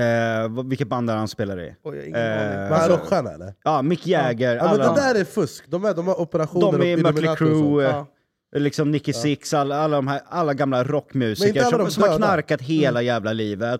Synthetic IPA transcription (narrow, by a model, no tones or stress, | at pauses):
vvɪlkːət̪̚band̪aɾhanspeːlaɾɪ̰ | ɔkːɧæːnɛ̰dɛ̰ɑːmɪkːjɛːɡəɾmalɛnːɛd̪æːɾɛfɵskd̪ɔmæd̪ɔmhaɾɔpɛɾaɧuːd̪ɔmɛmœːlɪɾuː | lɪksɔmnɪkːɪsɪksalːaalːad̪ɔmɦæːɾalːaɡamlaɾɔkːmjʉ̟ːsɛɪnkəəaldɔssɔmmhaknaɾkat̪ɦeeːlajæːvlaliːvət̪